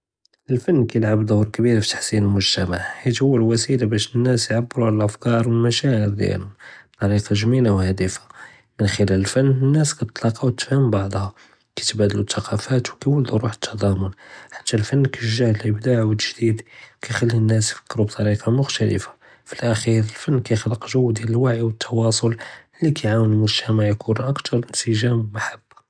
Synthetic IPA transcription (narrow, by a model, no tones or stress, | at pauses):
ʔəlfənːkæjəlʕabd̪ʊhɾkbiɾfit̪ːḁħsinəlmʊʒt̪æmaʕhit̪hʊwːælwæsilabæʃənːæsjʕabːəɾuʕaləlʔəfkɑɾˤwəlmæʃæʕəɾd̪jæ̰lhʊmbt̪ˤɑɾiqɑʒminawhæd̪əfḁ | mənxəlæləlfənːənːæskæt̪t̪ˤlɑqɑwt̪ːfhəmbɑʕd̪ˤhɑ | kæt̪bæd̪əlut̪ːɑqɑfæt̪wkæjwələd̪uɾuħə̥t̪ʰːɑd̪ˤɑmʊnħḁt̪ːælfənːkæʒahəlʔəbd̪aʕwəʒd̪id̪kʰæjxəlːənːæsjfə̥kːɾubt̪ˤɑɾiqɑmʊxt̪ælə̰fḁ | filʔæxiɾəlfənːkæjxləqʒuwːd̪jæləlwaʕijwət̪ːɑwɑsˤol | likʰæjʕawənəlmʊʒt̪ʰæmaʕjkʰunʔəkt̪ɑɾˤənsəʒæmmaħabː